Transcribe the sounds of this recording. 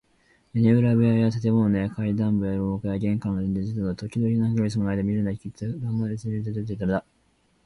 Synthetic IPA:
eɲeɯ̟ɾaβɯajat̪at̪e̞monejakaid̪ãmbɯjaɾokajaɡʲẽ̞ŋkãŋɡad̪ẽnd̪ezid̪onot̪o̞kʲid̪oɾʲinaɡɯɾʲis̬ɨmonaid̪emʲiɾɯ̟nd̪akʲit͡sɨɡãmɡaɾesɨeɾt̪̬et̪et̪et̪ːaɾod̪a

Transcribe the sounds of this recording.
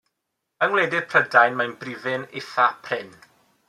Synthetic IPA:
əŋwlˠeːdɪd̥pʰr̥ədajnmajnbrɪvɪnɪθapʰrɪn

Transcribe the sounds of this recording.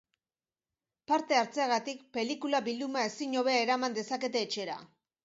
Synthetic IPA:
paɾt̪e̞aɾt͡se̞aɣat̪ikpe̞likulaβild̪umae̞siɲo̞β̞e̞ae̞ɾamand̪e̞sake̞t̪e̞ːt͡ʃe̞ɾa̰

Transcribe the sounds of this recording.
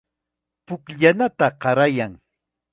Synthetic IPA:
pʊkʎanat̪aɢɑɾajaŋ

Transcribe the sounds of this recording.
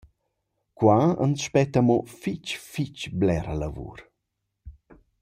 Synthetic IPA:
kwaə̰nsʃpɛt̪əmofit͡ʃfit͡ʃblɛɾəlavṵɾ

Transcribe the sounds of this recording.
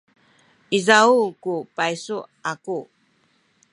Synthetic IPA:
ʔizaukupajsuaku

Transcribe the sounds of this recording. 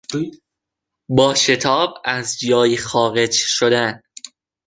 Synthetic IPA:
bɒːʃe̞t̪ʰɒːbæzd͡ʒɒːjixɒːɣe̞d͡ʒʃod̪æn

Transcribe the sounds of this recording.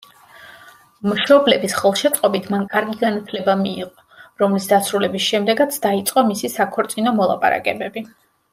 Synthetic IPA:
mʃɔblɛbisχɛlˠʃɛt̪sʼqʼɔbit̪ʰmankʼaɾɡiɡanat̪ʰlɛbamiːqʼɔ | ɾɔmlisd̪asɾulɛbisʃɛmd̪ɛɡat̪sʰd̪ait̪sʼqʼɔmisisakʰɔɾt̪sʼinɔmɔlˠa̰pʼa̰ɾa̰kʼɛbɛbi

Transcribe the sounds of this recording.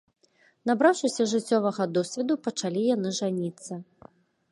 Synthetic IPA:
nabɾawʂɨsʲɐʐɨt͡sʲːɔvɐɣɐd̪ɔsʲvʲɛd̪upɐt͡ʂalʲijanɨʐanʲit̪sːɐ

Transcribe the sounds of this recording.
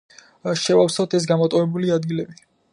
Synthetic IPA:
ʃɛvafsawt̪ʰɛs̬ɡamɔt̪ʼɔvɛbuliad̪ɡilɛbi

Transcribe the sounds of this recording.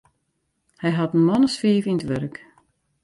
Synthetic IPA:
hɛjɦatn̩mɔnəsfiːvinətʋørk

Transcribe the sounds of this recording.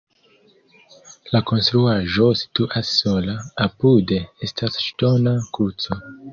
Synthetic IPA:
lako̞nstɾuaʒo̞si̥tuʔasːo̞laːpude̞e̞stʰasʃto̞nakuɾt͡so̞

